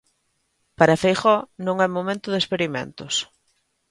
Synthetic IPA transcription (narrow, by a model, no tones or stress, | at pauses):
paɾɐfejχɔnõŋɛmomẽnt̪ʊðespeɾimḛ̃nt̪ʊs